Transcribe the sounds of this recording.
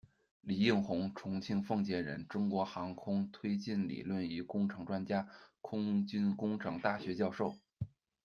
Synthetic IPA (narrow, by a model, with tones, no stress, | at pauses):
li˨˩i˥˩nxʊ˧˥ŋʈ͡ʂʰʊ˧˥ŋt͡ɕʰi˥ŋfɤ˥˩ŋt͡ɕjɛ˧˥nɻə̰˧˥nʈ͡ʂʊ˥ŋkwɔ˧˥xɑ˧˥ŋkʰʊ˥ŋt̪ʰwe˥ɪt͡ɕi˥˩nlḭ˨˩lwə˥˩ni˧˥kʊ˥ŋʈ͡ʂʰɤ˧˥ŋʈ͡ʂwa˥nt͡ɕja˥kʰʊ˥ŋt͡ɕy˥nkʊ˥ŋʈ͡ʂʰɤ˧˥ŋt̪a˥˩ɕɥɛ˧˥t͡ɕjɑ˥˧ʊʂo˥˩ʊ